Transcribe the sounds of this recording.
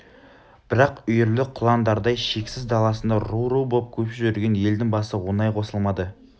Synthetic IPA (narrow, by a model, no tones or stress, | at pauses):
b̥ɪɾɑqʏjʏɾlɪqʰʊlˠɑnd̪ɑɾd̪ɑjʃe̞kʲsɪzd̪ɑlˠɑsənd̪ɑɾuɾuwbo̞p̚kʲʰɵpʃɪʒʏɾɡʲe̞nje̞ld̪ɪŋbɑsəwo̞nɑjqʰo̞səlˠmɑd̪ə